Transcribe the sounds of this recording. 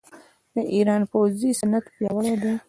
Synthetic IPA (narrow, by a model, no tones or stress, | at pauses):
mẽʔiːɾɑːnpoːziːsɐnɐt̪pjaːwəɽeːd̪eː